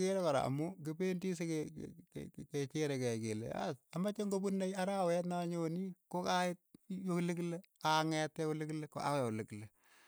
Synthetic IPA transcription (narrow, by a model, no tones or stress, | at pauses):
keɾɛkɔɾa̰mʊk̬ɪpendisekḛ | ket͡ʃeɾɛkɛkelḛa̰samat͡ʃeŋɡobunːaiaɾaːwɛtnaɲonikokaɪt̚joklɪkle | aŋɛtːɛkolɪkleko̰a̰jolɪkle